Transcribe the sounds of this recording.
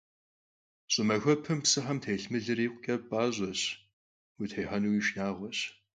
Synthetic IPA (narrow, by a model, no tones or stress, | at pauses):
ɕʼɪmɐxʷɔpʰɨmpsɨħɐmtʰejɬmɨɮɨriːqʷʼʊkʲʼɐpʼaːʑɔɕ | witʰejħɐnuwiːʃnaːʁʷɔɕ